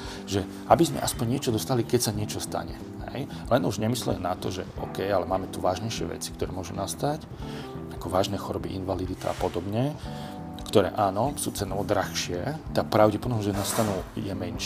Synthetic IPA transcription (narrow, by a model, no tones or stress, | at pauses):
ʒɛ | abizmɛ̰ʔaspɔɲɲɪɛt͡ʃɔd̪ɔst̪alikɛcsaɲɪɛt͡ʃɔst̪a̰ɲɛ | ɦɛ̰j | lɛnuʒɲɛmislɛ̰ɛnat̪ɔʒɛ̰ɔ̰kɛjalɛmaːmɛt̪uʋaːʒɲɛjʃɪɛ̰ʋɛ̰t͡si̥k̚t̪ɔɾɛːmʊɔʒunast̪ac | akɔʋaːʒnɛːxɔɾɔbiʔinʋalid̪it̪a̰apɔd̪ɔbɲɛ | kt̪ɔɾɛ̰ːʔaːnɔsuːt͡sɛnɔɔd̪ɾaxʃɪɛt̪ak̚pɾaʊɟɛpɔd̪ɔmɔʒɛnast̪anuːjɛmɛnʃ